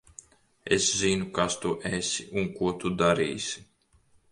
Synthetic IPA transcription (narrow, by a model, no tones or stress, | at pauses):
ḛszinukast̪uʔesʲiunkuɔt̪ud̪aɾḭːsʲi̥